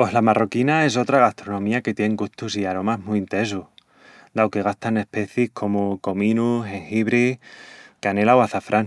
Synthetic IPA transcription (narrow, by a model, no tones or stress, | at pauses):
po̞slamarokinae̞s̬o̞t̪ɾaɣ̞ast̪ɾonõ̞miake̞t̪jeŋɡuht̪usiaɾo̞maɦmuint̪e̞ns̬uh | d̪awke̞ɣ̞ast̪ane̞hpe̞θihkʰo̞muko̞mĩnuse̞ŋxiβɾi | keane̞lawaθafɾʔan